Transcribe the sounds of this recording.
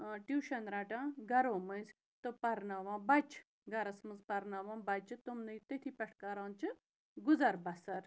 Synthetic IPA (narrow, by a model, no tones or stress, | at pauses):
ʈjuːʃɐnɾaːʈãːɡɐɾoːməz | t̪opɐɾnaʋãːbɐt͡ʃ | ɡɐɾɐsmɨzpɐɾnaʋãːbɐt͡ʃɨt̪umnɨjt̪et̪ʰipɐʈʰkaɾãːnt͡ʃɨ | ɡʊzɐɾbɐsɐɾ